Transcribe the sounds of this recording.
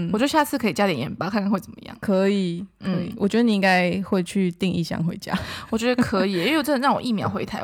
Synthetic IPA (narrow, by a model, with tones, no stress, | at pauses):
wwɔ˨t͡ɕo˥˧ʊɕja˥˧t͡sʰɹ̩˥˩kʰɤ˧˥i˨˩t͡ɕja˥ljɛ˨˩jɛ˧˥npa˥kʰa˥˩nkʰa˥xwe˥˩ɪt͡sə˨˩mə̰˧jɑ̰˥˩ŋkʰə˧˦i˨˩nkn̩˥ə˧˦i˨wɔ̰˨˩t͡ɕɥɛ˧˥d̪ə˧ni˨˩˧i˥ŋɡa˦ɪxwe˥˧ɪt͡ɕʰy˥˧t̪i˥˧ŋḭ˥˧ɕjɑ̰˥˩ŋxwe˧˦ɪt͡ɕja̰˦wɔ˨˩t͡ɕɥɛ˧˦˥d̪ə˧kʰɤ˧˥i˨˧˥ʈ͡ʂə˥n˨˩nɻɑ˥˩ŋwo̰˨˩ʔi˥˩mjɑ̰˧˥ʊxwe˧˥ɪt̪ʰa˧˦